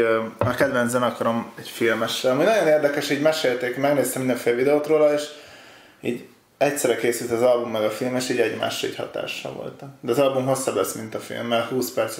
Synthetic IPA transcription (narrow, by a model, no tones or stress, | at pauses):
ɒkɛd̪vɛnzbɛnɒkɒɾomɛcfilmɛʃːɛlɒmuːjnɒjo̞neːrd̪ɛkɛʃiːɟmɛʃeːlt̪eːkmɛɡneːst̪ɛmind̪ɛɱfeːlɛvid̪ɛoːt̪roːlɒeːʃ | ḭːɟ | ɛcsɛɾɛkeːsylt̪ɒzɒlbumːɛɡɒfilmeːʃiːɟɛɟma̰ːʃːɒḭːchɒ̰t̪a̰ːʃːɒ̰vo̰lt̪d̪ɛɒzɒlbumɦo̞sːɒblɛsmint̪ɒfḭlmːɛlhuːspɛrt̪s